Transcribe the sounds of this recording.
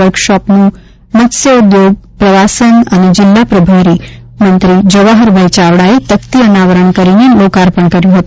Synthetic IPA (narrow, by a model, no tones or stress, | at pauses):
əɾkʃɔpnũ | mət̪səʊd̪joɡ̚pɾəʋasənəned͡ʒɪlːapɾəbʱaɾi | mənt̪ɾid͡ʒəʋaɦəɾbʱəjt͡ʃaʋɽaet̪əkt̪iənaʋəɾəɳkəɾinelokaɾpəɳkəɾjũɦət̪u